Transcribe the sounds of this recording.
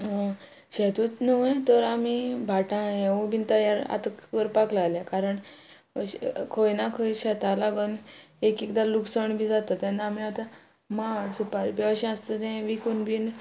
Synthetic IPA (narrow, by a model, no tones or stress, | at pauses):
ɕɛt̪ut͡snut̪əɾamibʱaʈãeubint̪əjaɾa̰t̪əkʋəɾpaklaljakaɾəɳ | ɕkʰojnakʰojɕɛt̪alaɡanekikd̪aluksəɳbʱĩd͡zat̪at̪ɛ̃namĩat̪ã | maɾsupaɾbiaɕĩast̪ət̪ɛ̃ʋikonbʱin